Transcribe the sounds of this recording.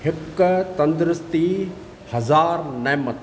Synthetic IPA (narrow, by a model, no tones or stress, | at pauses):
hɪkt̪ɐ̃nd̪ɾɪst̪i | hɐzaːɾnɛːmɐt̪